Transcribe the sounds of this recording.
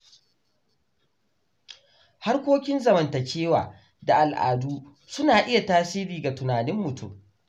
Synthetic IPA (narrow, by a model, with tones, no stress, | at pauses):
ha˦rkʷoː˦kʲɪ˦nzɐ˨mɐ˨ntɐ˨t͡ʃeː˦wa̰ː˨ | da˨ʔa˨lʔa̰ː˨duː˦ | sʊ˦naː˨ʔɪ˦ja˨taː˦siː˦ɾiː˨ɡa˨tʊ˨naː˨nɪ˦mːʊ˨tʰṵ˦